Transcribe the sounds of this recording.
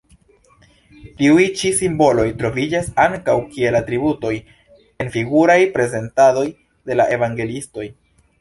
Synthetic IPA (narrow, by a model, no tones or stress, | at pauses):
tiujt͡ʃisimbo̞lo̞jtɾo̞vid͡ʒasaŋkawkie̞latɾibuto̞j | e̞nfiɡuɾajpɾe̞ze̞ntado̞j | de̞laʔe̞vaŋɡe̞listo̞j